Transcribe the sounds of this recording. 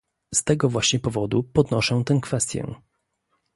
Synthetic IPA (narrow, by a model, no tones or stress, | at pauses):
st̪ɛɡɔvwaɕɲɛpɔvɔd̪upɔd̪nɔʂɛ̃t̪ɛw̃kfɛst̪ʲjɛ̰